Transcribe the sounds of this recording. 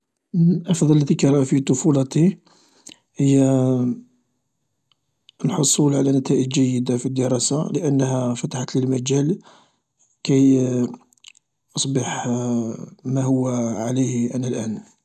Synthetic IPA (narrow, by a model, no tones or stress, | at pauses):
ʔɑfd̪ˤɑlːət̪ikæɾˤɑfit̪ˤʊfulɑt̪i | həjːæ | nħosˤulʕalænæt̪æʔəd͡ʒʒæjːəd̪afid̪ːəɾˤɑsaləʔənːhæfæt̪aħat̪ləlmæd͡ʒæl | kæj | ʔɑsˤbəħ | mæhʊwːʕaləjhʔænælʔæn